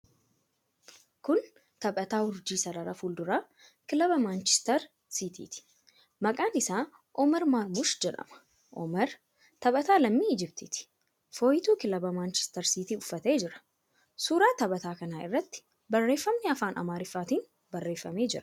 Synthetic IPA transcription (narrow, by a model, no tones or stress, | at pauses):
kʊn | t̪ɐbʼɐt̪aːhʊɾd͡ʒiːsɐɾɐɾɐfuːld̪ʊɾaː | kɪlɐbɐmaːnt͡ʃɛ̥st̪ɐɾ | sit̪ḭːt̪ɪ̥ | mɐkʼaːnɪsaː | ʔɔmɛɾmaːɾmʊʃd͡ʒɛᶑɐ̰mɐ̥ | ʔɔ̰mɛɾ | t̪ɐbʼɐt̪aːlɐmːiːd͡ʒɪbt̪ɪt̪ɪ̥ | foːjt̪uːkɪlɐbɐmaːnt͡ʃɛ̥st̪ɐɾsiːt̪iːʊfːɐt̪e̞ːd͡ʒɪɾɐ̥ | suːɾaːt̪ɐbɐt̪aːkɐnaːɪ̰rːɐt̪ːɪ̥ | bɐrːe̞ːfːɐmnɛɐfaːnʔɐ̰maːɾɪfːaːt̪iːn | bɐrːe̞ːfːɐme̞ːd͡ʒɪɾɐ̥